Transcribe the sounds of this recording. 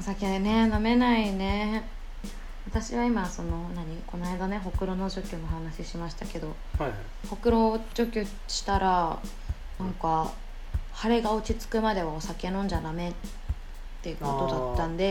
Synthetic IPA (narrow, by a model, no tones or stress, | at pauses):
osakene̞name̞naine̞ | βat̪aɕiβaimaso̞no̞naɲ̟iko̞naid̪ane̞ɦo̞kɯ̟ɾo̞nod͡ʑo̞kʲɯno̞ɦanaɕiɕimaɕi̥t̪ake̞d̪o̞ | ho̞kɯ̟ɾo̞ʑo̞kʲɨ | ɕi̥t̪aɾa | nãŋka | haɾe̞ɡao̟t͡ɕit͡sɨ̥kɯ̟mad̪e̞βaosake̞nõ̞ɲ̟d͡ʑaname̞t | t̪ːe̞kot̪o̞d̪at̪ːãnd̪e̞